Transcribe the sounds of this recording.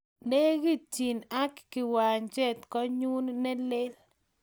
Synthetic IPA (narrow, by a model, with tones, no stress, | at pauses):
nɛ˦ɡi˦t͡ʃi˨na˦kːɪ˨wa˨ɲt͡ʃɛ˦t̪kɔ˦ɲu˦nːɛ˦lɪ˦l